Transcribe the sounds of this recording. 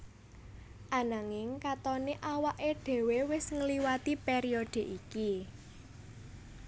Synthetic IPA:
ʔanaŋɪŋkat̪ɔneʔawaʔeɖ̪̥e̤wewɪsŋəliwat̪ipeɾiɔɖ̪̥e̤ʔiki

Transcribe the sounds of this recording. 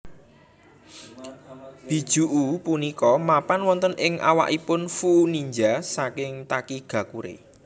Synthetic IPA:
b̥i̤d̥ʒ̥ṳʔupunikɔmapanwɔnt̪ənɪŋʔa̰wa̰ʔipʊnfuʔːniɲd͡ʒasakɪŋt̪akiɡ̥ä̤kuɾḛ

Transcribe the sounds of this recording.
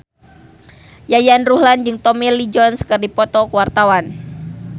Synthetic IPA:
jajanruhland͡ʒɨŋt̪ɔmilid͡ʒɔnskɨrdipɔt̪ɔkuwart̪awan

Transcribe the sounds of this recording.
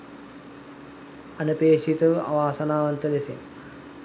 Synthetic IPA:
ɐnupeːʂit̪ɐɐ̰ʋaːsɐnaːʋɐnt̪ɐlesḛn

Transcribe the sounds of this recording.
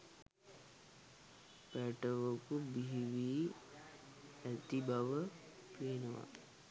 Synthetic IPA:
pæʈəʋəkubiɦiʋiː | æt̪ibaʋə | peːnəʋa̰

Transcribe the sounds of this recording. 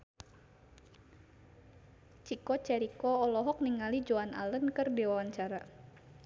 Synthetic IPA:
t͡ʃikɔt͡ʃɛɾikɔːlɔɦɔk̚niŋalid͡ʒoanʔa̰lənkərdiwawaɲt͡ʃaɾa

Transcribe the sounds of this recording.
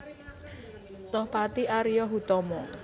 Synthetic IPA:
t̪ɔhpat̪iʔaɾijɔɦut̪ɔmɔ

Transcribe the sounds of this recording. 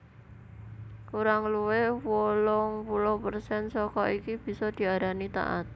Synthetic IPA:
kuɾaŋluwewolɔŋpulʊhpərsɛnsɔkɔikib̥i̤sɔd̪̥i̤aɾanit̪a̰ʔa̰t̪̚

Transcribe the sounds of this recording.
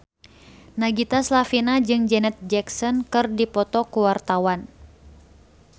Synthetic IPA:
naɡit̪aslafinad͡ʒɨŋd͡ʒɛnɛt̪̚d͡ʒɛksɔnkɨrdipɔt̪ɔkuwart̪awan

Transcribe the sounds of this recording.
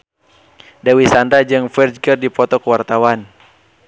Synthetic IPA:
dawisandad͡ʒɨŋfɛrd͡ʒɡərdipɔt̪ɔkəwart̪awan

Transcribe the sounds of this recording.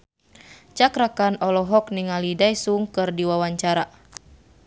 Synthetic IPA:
t͡ʃakɾakanɔlɔɦɔk̚niŋalidajsuŋkɨrdiwawaɲt͡ʃaɾa

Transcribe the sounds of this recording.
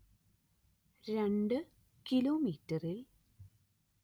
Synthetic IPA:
ɾeɳɖɨ | kiloːmiːtːɐril

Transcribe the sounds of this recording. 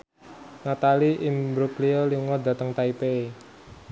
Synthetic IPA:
nat̪aliʔimbɾukliɔliŋɔd̪a̤t̪əŋt̪aipee

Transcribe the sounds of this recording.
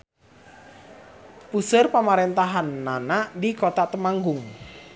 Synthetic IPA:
pusʊrpamaɾent̪aɦanːanadikot̪at̪əmaŋɡʊŋ

